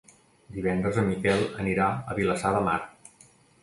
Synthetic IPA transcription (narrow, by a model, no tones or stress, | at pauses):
d̪iβɛnd̪ɾəzəmikɛlˠəniɾaəβiləsaðəma̰ɾ